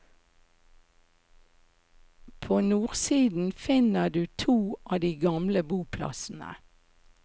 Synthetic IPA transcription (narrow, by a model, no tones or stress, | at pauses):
pʰoːnuːʁsiːd̪n̩fɪnəd̪ʉːt̪ʰuːʔɑːd̪iːɡɑmləbuːpʰlɑ̰sn̩ə̰